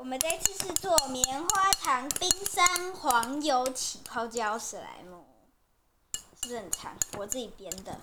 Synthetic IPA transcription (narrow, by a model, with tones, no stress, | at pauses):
wɔ˨˩mə˨˦nt͡sa˥˧ɪt͡ɕi˥˧s̩˥˧t͡swɔ˥˩mjɛ˧˦nxwa˥ʈ͡ʂʰɑ˧˦˥ŋpi˦ŋsa˦˥nxwɑ˧˦˥ŋjo˨˧˦ʊt͡ɕʰi˨˩pʰɑ˥ʊt͡ɕjɑ˥˦ʊʂ̩˨˩la̰˧˦ɪmu˥˩ | ʂɻ̩˥˩hə˨˩nʈ͡ʂʰɑ̰˧˦ŋwɔ˨˩t͡sɹ̩˥˩i˨˩pjɛ˥nd̪ə˨